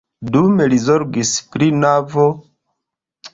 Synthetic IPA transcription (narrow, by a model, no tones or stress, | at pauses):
dume̞lizoɾɡispɾinavo